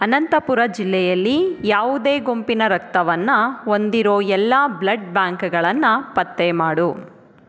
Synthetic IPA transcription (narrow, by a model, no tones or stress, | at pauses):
ɐnɐnt̪ɐpuɾɐd͡ʒilːɛjɐlːijaːʋud̪e̞ːɡo̞mpinɐɾɐk̚t̪ɐʋɐnːɐo̞nd̪iɾo̞ːɛlːɐblɐɖbjaːŋkɐɡɐɭɐnːɐpɐt̪ːemaːɽu